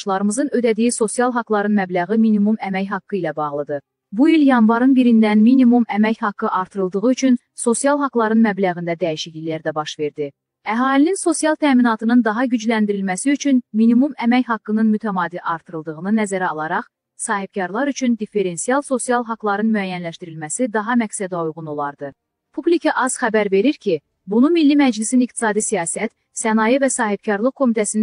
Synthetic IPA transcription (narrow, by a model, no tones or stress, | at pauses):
ʃlˠɑɾɯmɯzɯnød̪æd̪ijiso̞sijɑlˠɦɑklˠɑɾɯnmæblæɣɯminimumæmæjɦɑkːɯilæbɑʁlˠɯd̪ɯ | builjɑnvɑɾɯnbiɾind̪ænminimumæmæçhɑkːɯʔɑɾt̪ʰɯɾɯlˠd̪ɯʁɯyt͡ʃʰyn | so̞sijɑlˠɦɑɡlˠɑɾɯnmæblæɣind̪æd̪æiʃiçilæɾd̪æbɑʃve̞ɾd̪i | æɦɑːlininso̞sijɑlˠt̪ʰæːminɑt̪ʰɯnɯnd̪ɑɦɑɟyd͡ʒlænd̪iɾilmæsiyt͡ʃʰynminimumæmæjɦɑkːɯnɯnmyt̪ʰæmɑːd̪iʔɑɾt̪ʰɯɾɯlˠd̪ɯʁɯnɯnæzæɾæɑlˠɑɾɑχ | sɑːɦib̚cʰɑɾlˠɑɾyt͡ʃʰynd̪ife̞ɾe̞nsijɑlˠso̞sijɑlˠɦɑklˠɑɾɯnmyæjænlæʃt̪iɾilmæsid̪ɑɦɑmæksæd̪iujʁuno̞lˠɑɾd̪ɯ | pʰublicʰɑʔɑz̥χæbæɾve̞ɾiɾcʰi | bunumilːimæd͡ʒlisinikt̪i̥sɑːd̪isijɑːsæt̪ | sænɑjivæsɑːɦib̥̚cʰɑɾlˠɯχkʰo̞mit̪ʰæsini